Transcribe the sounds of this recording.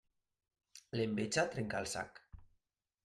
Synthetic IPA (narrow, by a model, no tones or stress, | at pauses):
lembet͡ʃat̪ɾeŋkalˠsa̰k